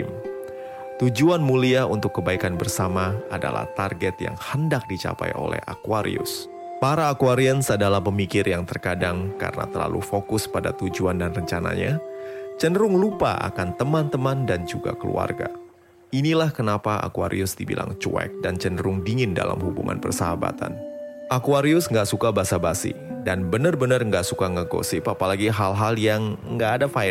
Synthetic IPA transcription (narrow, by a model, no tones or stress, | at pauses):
m | t̪ud͡ʒuanmuliaunt̪ʊkːəbaikanbərsamaada̰la̰ht̪arɡɛt̪ja̰ŋhəndak̚dit͡ʃa̰pajo̰lɛ̰ha̰kuaɾḭʊs | paɾaːkuaɾiənsadalapəmikɪrjaŋt̪ərkadaŋka̰rəna̰t̪ərla̰lʔṵfokʊspadat̪ud͡ʒuandanrəɲt͡ʃana̰ɲat͡ʃənɾʊŋlupaʔa̰kant̪əmant̪əmandand͡ʒuɡa̰kəlṵa̰rɡa | inilahkənapaa̰kua̰ɾḭʊsdibḭlʔa̰ŋt͡ʃuɛ̰k̚dant͡ʃənəɾʊŋdiŋɪnda̰lamhubṵŋa̰npərsəɦaba̰t̪a̰nʔakuaɾiʊsŋɡaʔsukabasabasḭdanbənərbənərŋɡaʔsukaŋaɡo̰sipapalaɡiɦalɦaljaŋŋɡaːdafaɪ